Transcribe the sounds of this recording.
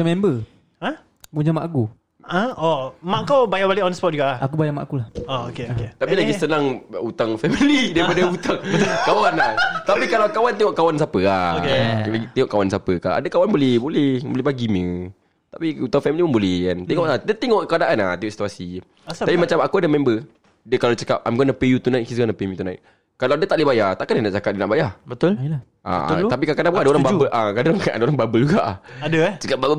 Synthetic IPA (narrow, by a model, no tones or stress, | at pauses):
amɛmbə | a | puɲamaʔaɡu | ʔaɔmaʔkawbajabaleʔɔnspɔt̚d͡ʒuɡaakubajama̰ʔakulahookeoket̪apilaɡisənaŋut̪aŋfɛmilidaipadaut̪aŋkawanat̪apikalawkawant̪iŋɔʔkawans̬apəaelaɡit̪iŋɔʔkawansapəka̰ʔa̰dakawanbolɛhbolɛhbolɛhbaɡimə | t̪apiut̪awfɛmilipəŋbolɛhkant̪ɛŋɔʔadət̪iŋɔʔəkadaʔanat̪iŋɔʔsi̥t̪uasi | apimat͡ʃamakuadəmɛ̃mbə | dəkalawt͡ʃəkap̚ʔajmɡɔnapejut̪unãj̚kis̬ɡɔnapemut̪unãjt̪̚ | kalawadət̪aʔlibajat̪aʔkandanaʔt͡ʃakat̚dənaʔbajabət̪ʊl | ʔa̰t̪ap̬ikakadaʔpkadəoɾaŋbabəʔakadaka̰dəoɾaŋbabəluɡaʔadət͡ʃəkap̚babə